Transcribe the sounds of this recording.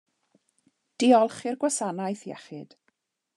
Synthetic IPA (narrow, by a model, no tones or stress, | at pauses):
d̥iɔlˠχɪrɡwasanajθjɛ̰χɪd̥